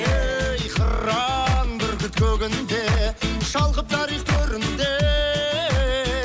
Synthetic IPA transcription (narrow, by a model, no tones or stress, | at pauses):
ejqʰə̰ɾːɑŋbɪɾkʲɪt̪kʲʰɵɡʲɪnd̪eʃɑlˠʁəp̚t̪ʰɑɾiqt̪ʰɵɾɪnd̪e